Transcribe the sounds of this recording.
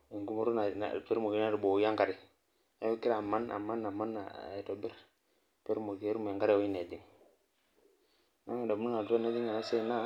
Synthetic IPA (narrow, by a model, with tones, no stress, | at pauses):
i˨ŋɡu˦mu˦ɾu˦na̰˨pe˦ɾmu˨i˦a˦ɾbo˨˦ja˦ŋka˨ɾi˨ | a˦o˦ki˦ɾa˨ma˦na̰˨ma˦nːa˨ma˦na̰˨to˨bi˦ɾ | pe˦ɾmo˨kɾmu˨e˨ŋka˦ɾo˦i˦ne˨di˨ŋ | na˦ŋ˦i˨da˨mu˦nu˦a˨to˦na˦d͡ʒi˦ŋa˨na˦se˦na˦